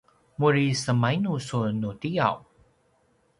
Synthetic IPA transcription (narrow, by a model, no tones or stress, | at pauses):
muɹisəmajnusunutija̰w